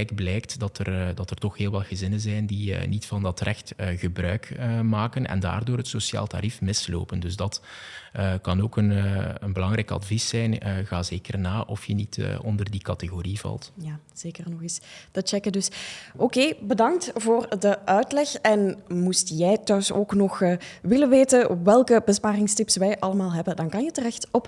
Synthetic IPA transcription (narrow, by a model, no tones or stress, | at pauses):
ɛkblɛjktdɑtərdɑtərtɔxɦeːlˠʋɑlˠɣəzɪnənzɛjndiə̰nitfɑndɑtrɛxtəɣəbrœ̰ɥkəmaːkənʔɛ̰nda̰ːrdoːrɦətsosja̰ːlˠta̰ɾifmɪslo̰ːpəndɵzdɑtəkɑnoːkənːənbəlɑŋɾɛjkɑ̰dvisːɛjnəɣaːzeːkərnaːʔɔfjənitːɔndərdikɑteɣoːɾivɑ̰lˠtjaːz̥eːkərnɔxɪsd̥ɑt͡ʃɛkədɵsʔokeːbədɑŋtvoːrdəʔœɥtlɛxɛnmustjɛjtœɥsoːknɔxʋɪlənʋeːtənʋɛlˠkəbəspaːrɪŋstɪpsʋɛjʔɑləmaːlˠɦɛbəndɑnkɑnjətərɛxtɔp